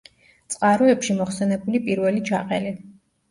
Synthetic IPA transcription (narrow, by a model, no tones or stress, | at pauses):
t̪sʼqʼaɾɔɛpʃimɔχsɛnɛbulipʼiɾvɛlid͡ʒaqʼɛli